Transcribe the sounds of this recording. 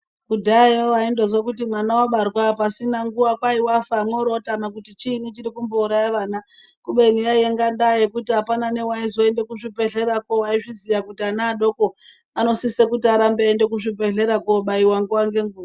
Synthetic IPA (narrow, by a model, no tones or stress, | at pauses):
kudajoaindozwakutimwanaoɓarwapasinaŋɡuwakwaiwafaːmweɾotamak̬utit͡ʃinit͡ʃiɾikumbouɾajaʋaːna | kuɓe̞nijaieŋɡandajekutiɦapanane̞waizwoende̞kuʐipeɮe̞ɾakowaiʐizijakutianaːɗo̞ko | ano̞sisekutiaɾambeːnde̞kuʐipe̞ɮe̞ɾakoɓaiwaŋɡuwaŋɡe̞ŋɡuːa